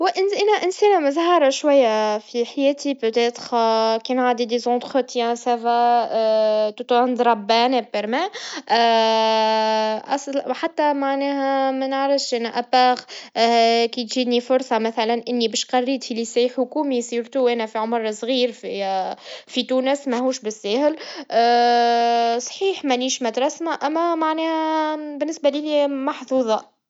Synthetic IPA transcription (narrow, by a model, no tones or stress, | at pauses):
wɪʔɪnʔænæʔɪnsænæməzɦɑɾˤɑʃwæjːafiħajɛːt̪ipøt̪ɛt̪χkɛːnʕaːd̪id̪ezɑ̃t̪χət̪jɛ̃sævæ | t̪ut̪uand̪ɾˤɑbːænɛpːəɾmɛ | ʔɑ̰sħat̪ːæmaʕnɛɦæmænəʕɾəfʃʔænʔæbæːɣ | kit̪ʒiːd̪nifʊɾsˤɑmæθælænʔɪnːibɛːʃqɑrːiːt̪filisæjħʊkuːmisˤiːɾt̪uʔæːnæfiʕʊmɾˤsɣiːɾfi | fit̪uːnəsmæhuːʃbɪsːæːhɪl | sˤħiːħmæniːʃmæd̪ɾˤɑsmæʔæmːæmaʕnɛːhæbɪnːɪsbælilimɑħθuːðˤɑ